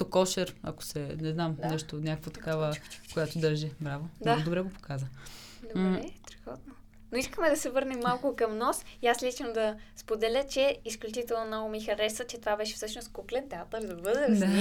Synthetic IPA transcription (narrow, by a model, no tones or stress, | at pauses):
okɔʃɛɾɐ̰ko̥sɛnɛznamnɛʃt̪onʲakəkvot̪ɐ̥kavəkojat̪od̪əɾʒɛbɾavod̪ad̪obɾɛɡopo̥kazə | d̪obɾɛt̪ɾɛɡɔd̪no | noiskəmɛd̪ɐsɛvɤɾnɛmːalˠkʊkɐmnɔsiaslʲit͡ʃnod̪ɐspod̪ɛlʲət͡ʃɛisklʲut͡ʃit̪ɛlˠnonɔɡomixɐɾɛsət͡ʃɛt̪ovabɛʃɛ̥fsɤʃnost̪̚kuklɛnt̪ɛat̪əɾd̪ɐbɤd̪ɛd̪a